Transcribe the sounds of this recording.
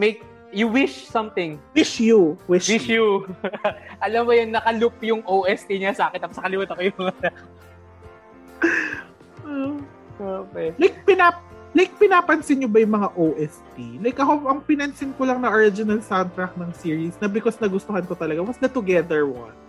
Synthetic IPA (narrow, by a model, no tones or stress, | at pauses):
mejk̚ | jʊwɪʃsɐmt̪ɪŋwɪʃjuwɪʃwju | ʔɐlɐmːojonːɐkɐlʊp̚jʊŋʔowʔɛst̪iɲɐsaːkɛnɐpsɐkɐlɪmuːt̪ɐkojʊɐŋɐta | o | okɛlajk̚pɪna | lajk̚pɪnaːpɐnsɪnɲobɐjʊŋmɐŋaʔowʔɛsp̪ilajkʔɐkoʔɐŋpɪnɐnsɪnkʊlɐŋnɐʔoɹɪd͡ʒɪnɐlsant̪ɾɐk̚t̪nɐŋsiːɹisnɐbɪkosnɐɡʊst̪ohɐnkot̪ɐlɐɡawɐsd̪ɐt̪ʊɡɛðɛɹwɔn